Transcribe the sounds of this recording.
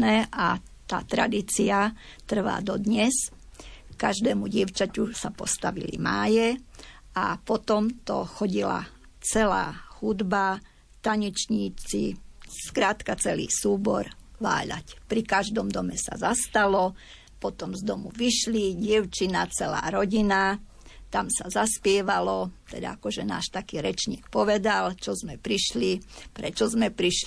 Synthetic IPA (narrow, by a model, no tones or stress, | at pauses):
nɛːʔa | t̪a̰ːt̪ɾad̪iːt͡siat̪r̩ʋa̰ːd̪ɔd̪ɲɛs | kaʒd̪ɛːmuɟɪɛʊt͡ʃacusapɔst̪aʋḭlḭmaːjɛ | apɔt̪ɔmt̪ɔ̰xɔɟila̰ | t͡sɛla̰ːxud̪ba | t̪aɲɛt͡ʃɲiːt͡sḭskɾaːt̪kat͡sɛlḭːsuːbɔ̰ɾʋa̰ːʎa̰cpɾikaʒd̪ɔmd̪ɔmɛsa̰zast̪alɔ | pɔt̪ɔmzd̪ɔmuʋiʃliɟɪɛʊt͡ʃinat͡sɛla̰ːɾɔɟina | t̪amsazaspɪɛʋalɔt̪ɛ̰d̪a̰akɔʒɛna̰ːʃt̪akiːɾɛt͡ʃɲḭːk̚pɔʋɛd̪alt͡ʃɔzmɛpɾiʃlipɾɛt͡ʃɔzmɛpɾiʃl